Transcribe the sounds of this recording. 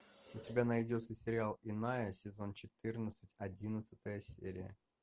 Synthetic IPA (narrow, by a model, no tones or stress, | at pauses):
ʊtʲɪbʲanɐjdʲo̞t̪səsʲɪɾʲɪalˠɪnajəsʲɪzo̞nt͡ɕɪt̪ɨrnət̪sɨtʲɐdʲinət̪sɨ̥t̪əjəsʲḛɾʲɪ̰jə̰